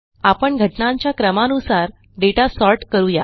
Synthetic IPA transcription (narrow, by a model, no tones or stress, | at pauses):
apəɳɡʱəʈnãɲt͡ɕjakɾəmanusaɾ | ɖeʈasɔɾʈkəɾuːja̰